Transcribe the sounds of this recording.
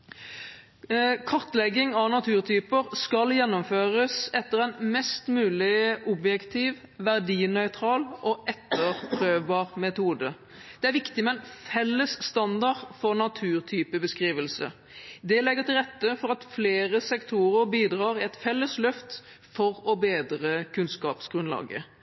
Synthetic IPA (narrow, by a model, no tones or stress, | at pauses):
kʰɔʁt̪lɛɡːɪŋɑʋnɑt̪ʰʉːʁt̪ʰyːpəʁskɑljɛnːɔmføːʁəsɛt̪ːəʁɛnmɛst̪mʉːlɪʔɔbjɛkt̪ʰiːʋ | ʋæʁd̪iːnœʏt̪ʰɾɑːlʔɔʔɛt̪ːəʁpʰɾøːʋbɑːʁmɛt̪uːd̪ə | d̪̥ɛæɾʋɪkt̪ɪmɛɛnfɛlːəsːt̪ɑnd̪ɑʁfɔʁnɑt̪ʰʉːʁt̪ʰyːpəbəskʁiːʋəlsə̰ | d̪ɛlɛɡːəʁt̪ʰɪlʁɛt̪ːəfɔɾɑt̪fleːʁəsɛkt̪ʰuːʁəʁbiːd̪ʁɑːʁɪɛt̪fɛlːəslœft̪ | fɔʁɔbeːd̪ɾəkʰʉnskɑːpsɡ̥ʁʉnlɑ̰ːɡə̰